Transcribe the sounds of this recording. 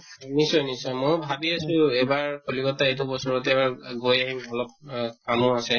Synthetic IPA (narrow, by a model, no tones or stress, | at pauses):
nisɔjnisɔjmojbʱabiasʊɛbaɹkʰolikɔtaejt̬ubɔsɔɹɔtɛɛbaɹɡojaɦimɔlɔp̚kamʊasɛ